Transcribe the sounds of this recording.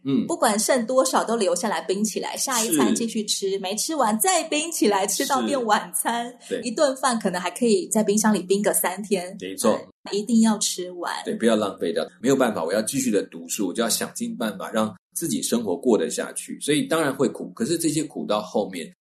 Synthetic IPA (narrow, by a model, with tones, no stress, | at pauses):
n̩˥˩pu˥˩kwa˨˩nʂə˥˩nt̪wɔ˥ʂɑ˨˩ʊt̪o˥ʊljo˧˥ʊɕja˥˩la˧˥ɪpi˥ŋt͡ɕʰi˨˩la̰˧˥ɪɕja˥˧i˥t͡sa˥˧˩ŋt͡ɕi˥˧ɕy˥˩ʈ͡ʂʰɻ̩˥me˧˥ɪʈ͡ʂʰɻ̩˥wa˧˥nt͡sa˥˩ɪpi˥ŋt͡ɕʰi˨˩la˧˥ɪʈ͡ʂʰɻ̩˥t̪ɑ˥˧ʊt̪jɛ˥˩nwa˨˩nt͡sʰa˥n˩ | i˧˥t̪wa˥˧nfa˥˩nkʰɤ˨˩nɤ˧˥ŋxa˧˥ɪkʰɤ˧˥i˨˩t͡sa˥˩ɪpi˥ŋɕ̬ɑ˥ŋli˨˩pi˥ŋɡə˨˩sa˥nt̪ʰjɛ˥nme˧˥ɪt͡sʰwɔ˥˩ | i˧˥t̪i˥˧ŋjɑ˥˩ʊʈ͡ʂ̩ʰ˥wa̰˧˥˦nwe˥˩pu˧jɑ˥˧ʊlɑ˥˧ŋfe˥ɪə̰˥˨˩mme˧˥ɪjo˨˩ʊpa˥˩nfa̰˨˩wɔ˨˩jɑ˥˧ʊt͡ɕi˥˧ɕy˥˩d̪ə˩t̪u˧˥ʂ̩˥˩wɔ˨t͡ɕjo˥˧jɑ˥˩ɕjɑ̰˨˩ŋt͡ɕi˥˧ŋpa˥˩nfa̰˨˩ɻɑ˥˩ŋ | t͡sɹ̩˥˩t͡ɕḭ˨˩ʂə˥ŋxwɔ˧˥kwɔ˥˩d̪ə˩ɕja̰˥˧t͡ɕʰy̰˥˩swɔ˧˥i˨˩t̪ɑ˥ŋɻa˧˥nxwe˥˩ɪkʰṵ˨˩˦kʰɤ˨˩ʂɻ̩˥˧ʈ͡ʂɤ˥˩ɕ̬jɛ˥kʰṵ˨˩t̪ɑ˥˧ʊxo˥˧ʊmjɛ̰˥˩n